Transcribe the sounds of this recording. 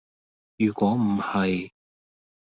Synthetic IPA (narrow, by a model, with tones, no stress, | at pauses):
jyː˨˩kʷɔː˨˥m̩˨˩hɐ˨j